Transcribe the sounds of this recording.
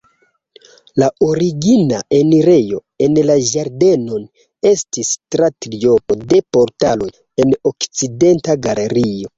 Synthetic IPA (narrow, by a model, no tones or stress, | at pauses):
laʔo̞ɾiɡinaʔeniɾe̞jo̞ | e̞nlaʒaɾde̞no̞n | e̞stistɾatɾio̞po̞de̞po̞ɾtalo̞j | e̞no̞kt͡side̞ntaɡaleɾio̞